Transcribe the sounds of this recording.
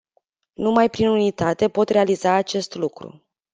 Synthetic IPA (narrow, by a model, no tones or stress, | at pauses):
numajpɾinunit̪at̪e̞po̞t̪re̞alizaːt͡ʃe̞st̪lukɾṵ